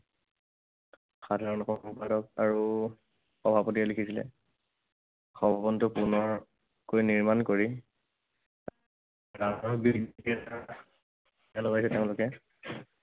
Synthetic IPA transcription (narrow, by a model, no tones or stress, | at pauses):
xadʱaɹɔnɔxʰɔɔpadɔk̚aɹu | xɔbʱapɔt̬ialikʰisilɛ̰ | xɔbʱabɔntʊpunɔɹ | kojniɹmankoɹi | danɔɹbikia | ɛlɔbajsɛtɛʊ̃lʊkɛ